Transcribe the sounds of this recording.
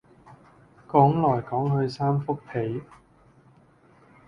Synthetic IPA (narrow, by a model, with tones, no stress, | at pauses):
kɔː˨˥ŋlɔː˨˩jkɔː˨˥ŋhɵ˧ɥsaː˥mfʊ˥k̚pʰe˨˥j